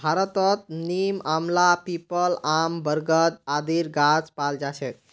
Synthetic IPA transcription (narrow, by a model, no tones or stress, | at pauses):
bʱaɾət̪ət̪̚nimamlapipəlambəɾɡət̪ad̪iɾɡat͡spald͡ʒat͡ʃʰɛk̚